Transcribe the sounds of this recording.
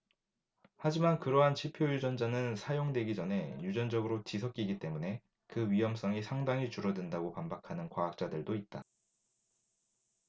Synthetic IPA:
had͡ʑimankɯɾʌɦant͡ɕʰipʰjojud͡ʑʌnd͡ʑanɯnsʰajoŋdwe̞ɡid͡ʑʌnɦe̞jud͡ʑʌnd͡ʑʌɡɯɾot͡ɕisʰʌk̚k͈iɡit͈e̞mune̞ | kɯɥijʌms͈ʌŋisʰaŋdaŋɦit͡ɕuɾʌdɯndaɡopambakʰanɯnkwaːk̚t͡ɕ͈adɯɭdoit̚t͈a

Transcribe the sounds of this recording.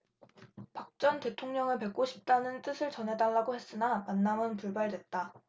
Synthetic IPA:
pak̚t͡ɕ͈ʌnte̞tʰoŋɲʌŋɯɭpe̞k͈oɕʰi̥p̚t͈anɯnt͈ɯsʰɯɭt͡ɕʌnɦe̞daɭːaɡohe̞s͈ɯnamanːamɯnpuɭbaɭdwe̞t̚t͈a

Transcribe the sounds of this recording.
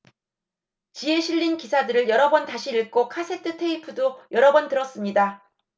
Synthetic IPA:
t͡ɕie̞ɕʰiʎːinkisʰadɯɾɯɭjʌɾʌbʌntaɕʰiːɭk͈okʰasʰe̞tʰɯtʰe̞ipʰudojʌɾʌbʌntɯɾʌs͈ɯmɲida

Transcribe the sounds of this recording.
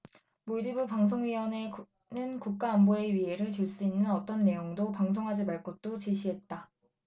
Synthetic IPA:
moɭdibɯpaŋs̬ʰoŋɥiwʌne | nɯnkuk̚k͈aːmboe̞ɥiɦe̞ɾɯɭt͡ɕoɭs͈uinːɯnʌt͈ʌnːe̞joŋdopaŋsʰoŋɦad͡ʑimaɭk͈ʌt̚t͈ot͡ɕiɕʰiɦe̞t̚t͈a

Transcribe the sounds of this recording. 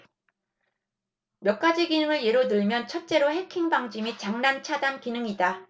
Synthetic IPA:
mjʌk͈̚ad͡ʑiɡinɯŋɯɭje̞ɾonɯɭmjʌnt͡ɕʰʌt̚t͡ɕ͈e̞ɾoɦekʰiŋbaŋd͡ʑimit͡ɕaŋnant͡ɕʰadankinɯŋida

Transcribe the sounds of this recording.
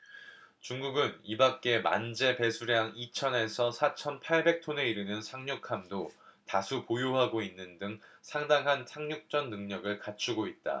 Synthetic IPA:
t͡ɕuŋɡuɡɯnibak̚k͈e̞ma̰nd͡ʑe̞pe̞sʰuɾjaŋit͡ɕʰʌne̞sʰʌsʰat͡ɕʰʌnpʰaɭbe̞k̚tʰone̞iɾɯnɯnsʰaŋɲukʰamdotasʰupojoɦaɡoinːɯndɯŋsʰaŋdaŋɦantʰaŋɲuk̚t͡ɕ͈ʌnːɯŋɲʌɡɯɭkat͡ɕʰuɡoit̚t͈a̰

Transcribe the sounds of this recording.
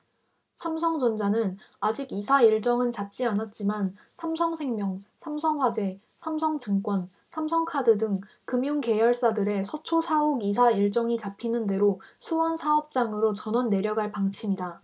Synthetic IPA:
sʰamsʰʌŋd͡ʑʌnd͡ʑanɯnad͡ʑiɡisʰaiɭt͡ɕ͈ʌŋɯnt͡ɕap̚t͡ɕ͈ianat̚t͡ɕ͈iman | sʰamsʰʌŋsʰe̞ŋmjʌŋsʰamsʰʌŋɸwad͡ʑe̞ | sʰamsʰʌŋt͡ɕɯŋk͈wʌn | sʰamsʰʌŋkʰadɯdɯŋ | kɯmjuŋke̞jʌɭs͈adɯɾe̞sʰʌt͡ɕʰosʰauɡisʰaiɭt͡ɕ͈ʌŋit͡ɕapʰinɯnde̞ɾosʰuwʌnsʰaʌp̚t͡ɕ͈aŋɯɾot͡ɕʌnʌnːe̞ɾjʌɡaɭpaŋt͡ɕʰimida

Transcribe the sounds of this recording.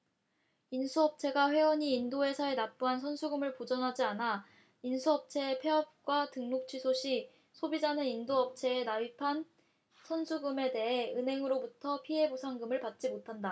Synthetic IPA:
insʰuʌp̚t͡ɕʰe̞ɡaɸwe̞wʌɲiːndoe̞sʰae̞nap̚p͈uɦansʰʌnsʰuɡɯmɯɭpod͡ʑʌnɦad͡ʑiana | insʰuʌp̚t͡ɕʰe̞pʰe̞ʌp̚k͈watɯŋnok̚t͡ɕʰɥisʰoɕʰi | sʰobid͡ʑanɯnindoʌp̚t͡ɕʰe̞ːnaipʰan | sʰʌnsʰuɡɯme̞de̞ɦe̞ɯnɦe̞ŋɯɾobutʰʌpʰiɦe̞bosʰaŋɡɯmɯɭpat̚t͡ɕ͈imotʰanda

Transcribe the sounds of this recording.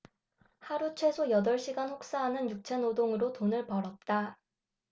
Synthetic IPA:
haɾut͡ɕʰwe̞sʰojʌdʌɭɕ͈iɡanɸok̚s͈aɦanɯnjuk̚t͡ɕʰenodoŋɯɾotonɯɭpʌɾʌt̚t͈a

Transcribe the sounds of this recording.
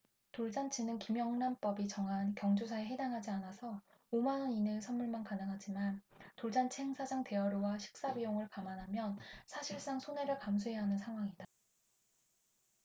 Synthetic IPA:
toɭd͡ʑant͡ɕʰinɯnkimjʌŋnanp͈ʌbit͡ɕʌŋɦankjʌŋd͡ʑusʰaeɦedaŋɦad͡ʑianasʰʌ | omanʌninɯsʰʌnmuɭmankanɯŋɦad͡ʑimantoɭd͡ʑant͡ɕʰeŋsʰad͡ʑaŋte̞ʌɾuwaɕʰi̥k̚s͈abijoŋɯɭkamanɦamjʌnsʰaɕʰiɭs͈aŋsʰone̞ɾɯɭkams̬ʰuɦeɦanɯnsʰaŋɦwaŋida

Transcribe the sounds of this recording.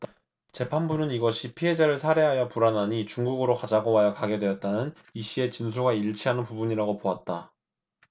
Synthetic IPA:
t͡ɕe̞pʰanbunɯniɡʌɕʰipʰiɦe̞d͡ʑaɾɯɭsʰaɾe̞ɦajʌpuɾanɦaɲit͡ɕuŋɡuɡɯɾokad͡ʑaɡowajʌkaɡe̞dwe̞jʌt̚t͈anɯn | iɕ͈ʰie̞t͡ɕinsʰuɡaiɭt͡ɕʰiɦanɯnpubuɲiɾaɡopoat̚t͈a

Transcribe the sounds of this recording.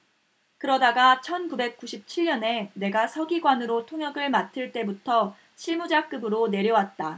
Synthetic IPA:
kɯɾʌdaɡat͡ɕʰʌnkube̞k̚k͈uɕʰip̚t͡ɕʰiɭɲʌne̞ne̞ɡasʰʌɡiɡwanɯɾotʰoŋjʌɡɯɭmatʰɯɭt͈e̞butʰʌ | ɕʰiɭmud͡ʑak͈ɯbɯɾone̞ɾjʌwat̚t͈a

